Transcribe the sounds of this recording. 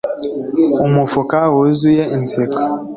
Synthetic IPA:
umufokawozujeʔn̩sek

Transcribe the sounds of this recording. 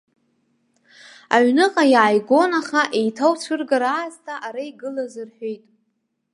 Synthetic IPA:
aɥnɨqʼajʕajɡʷo̞naχaʔejtʰawt͡sʷʰɨrɡaɾaːztʰaʔaɾaiɡɨlazɨrħᶣejtʼ

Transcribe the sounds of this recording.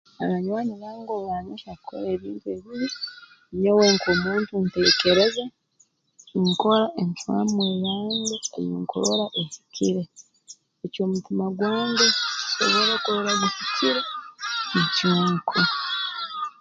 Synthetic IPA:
aaɲwaːɲiɾaŋɡoβaːɲiʃakkʰːo̰le̞ːβiːntue̞ːβiɾi | ɲoweŋkʰoːmuːntunte̞ke̞ɾeze | ŋko̞laʔeɲtwa̰ːmweːlaːŋdeḛjiŋko̰lo̞laʔesi̥cʰiɾe | eco̞ːmutimaɡwaːŋɡeso̰βelokoɾoɾaβisiciɾenecaːŋkʰo

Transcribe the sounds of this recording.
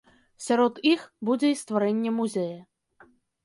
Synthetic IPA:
sʲaɾɔt̪ixbud͡zʲɛist̪vaɾɛnʲːɛmuzʲɛjɐ

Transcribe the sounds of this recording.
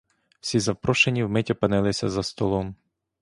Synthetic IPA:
w̥sʲizɐpɾɔʃenʲiwmɛtʲɔpɐnɪlˠɪsʲɐzɐst̪ɔlˠɔm

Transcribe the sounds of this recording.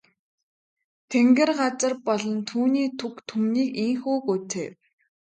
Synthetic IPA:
t̪ʰeŋɡɘ̆rɢat͡sə̆rpɔɮɞ̆nt̪ʰuːniːt̪ʰukt̪ʰumniːkiŋxuːkut͡sʰeː

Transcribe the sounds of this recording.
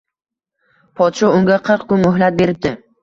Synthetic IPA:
pʰɒt̪ʃɒʊŋɡʲaqʰəɾqkʊnmʊhlat̪̚be̞ɾɪp̚d̪ɪ

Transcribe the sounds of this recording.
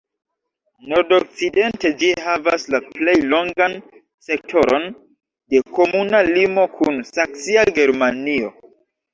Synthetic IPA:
no̞ɾdok̚t͡side̞nte̞d͡ʒiɦavaslaple̞jlo̞ŋɡan | se̞k̚tʰo̞ɾo̞n | de̞ko̞munalimo̞kʰunsaksiaɡe̞ɾmanio

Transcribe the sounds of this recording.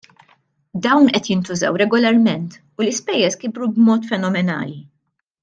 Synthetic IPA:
d̪ɐwnʔɛt̪jɪnt̪ʊzɐ̰wɾɛɡɔlɐɾmɛnt̪ | ʊlɪspɛjːɛskɪbɾubmɔːt̪fɛnɔmɛnɐ̰ːli

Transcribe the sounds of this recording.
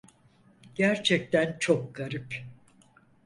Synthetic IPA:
ɟ̥æɾt͡ʃʰɛc̚t̪ʰænt͡ʃʰok̚ɡ̥aɾɯp

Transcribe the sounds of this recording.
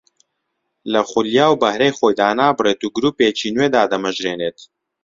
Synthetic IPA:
lɐχʊljaːwbɐhɾejxoːjd̪aːnaːbɨreːt̪uːɡɾuːpeːt͡ʃiːnweːd̪aːd̪ɐmɐʒɾeːneːt̪

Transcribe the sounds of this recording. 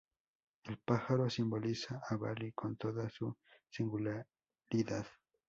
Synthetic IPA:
elpaxaɾosimbolisaʔːβalikont̪oðasusiŋɡula | ɾiðað̥

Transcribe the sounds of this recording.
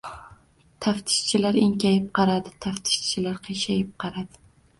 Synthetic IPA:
t̪ʰaft̪ʰɪ̥ʃt͡ʃʰɪlaɾɪŋkʲajɪp̚qʰɑɾad̪ɪt̪ʰaft̪ʰɪ̥ʃt͡ʃʰɪlaɾqʰɨʃajɪp̚qʰɑɾad̪̥ɪ̥

